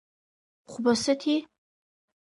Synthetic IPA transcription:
χʷʊbɐsɨtʰiː

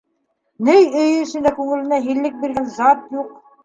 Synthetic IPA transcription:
nɘjɵj̆ɵ̆sɘ̆nd̪ækʉŋɘ̆lɘ̆næɦilːɘk̚biɾɡænzɑt̪juq

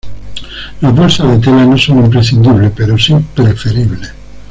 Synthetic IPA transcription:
lazβolsaðet̪elanosonimpɾes̬ind̪iβlepeɾosipɾefeɾiβle

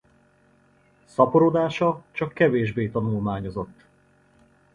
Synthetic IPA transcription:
sɒpoɾod̪aːʃɒt͡ʃɒkːɛveːʒbeːt̪ɒnulmaːɲo̞zo̞t̪ː

